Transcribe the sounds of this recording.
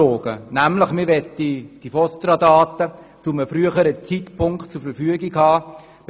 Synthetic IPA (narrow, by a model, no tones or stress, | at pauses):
oːɡ̥ənæmləχmɪʋɛt̪ːid̥ifɔstɾɑdɑːt̪ə | t͡suməfɾyəχəɾət͡sitpʰʊŋktt͡sʊɾfəɾfyəɡikhɑː